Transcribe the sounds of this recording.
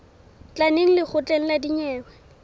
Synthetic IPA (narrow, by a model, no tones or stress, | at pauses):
t͡ɬʼaneŋ̩lɪk͡xʰʊt͡ɬʼɛŋ̩ladiɲɛːwɛ